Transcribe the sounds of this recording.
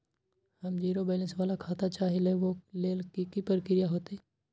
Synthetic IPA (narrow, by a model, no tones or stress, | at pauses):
hɐmd͡ʒiːɾobaːlə̃nsʋaːlakʰaːt̪at͡ʃaːɦɪlɛʋoleːlkikipəɾkɪɾijaɦoːt̪eɛ